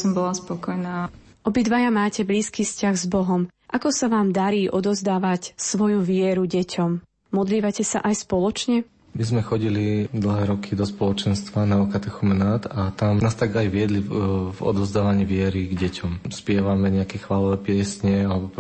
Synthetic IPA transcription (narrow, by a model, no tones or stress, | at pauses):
sɔmbɔlaspɔkɔjnaː | ʔɔbid̪ʋajamaːcɛbliːskiːfscaɣzbɔɦɔm | ʔakɔsaʋaːmd̪aɾiːʔɔd̪ɔzd̪aːʋacsʋɔjuʋɪɛɾuɟɛcʰɔm | mɔd̪liːʋacɛsa̰ʔajspɔlɔt͡ʃɲɛ | mizmɛxɔɟilid̪l̩ɦɛːɾɔkʰid̪ɔspɔlɔt͡ʃɛnst̪ʋanaɔkat̪ɛxumɛnaːt̪at̪amnaːst̪aɡajʋɪɛd̪livɔ̰d̪ɔzd̪aːʋaɲiːʋɪɛɾiɡɟɛcɔmspɪɛʋamɛɲɛakɛxʋalɔʋɛːpɪɛsɲɛalɛbɔ